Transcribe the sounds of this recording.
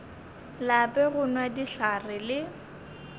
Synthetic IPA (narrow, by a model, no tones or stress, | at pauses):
lapʼɛɣʊnwadiɬarɪlɪ